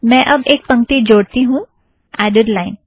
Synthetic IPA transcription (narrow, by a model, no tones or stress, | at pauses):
mɛ̃ːʔɐbeːk̚pɐ̃ŋkt̪id͡ʒoːɽt̪iɦũ | ɛːɖeɖlaːɪn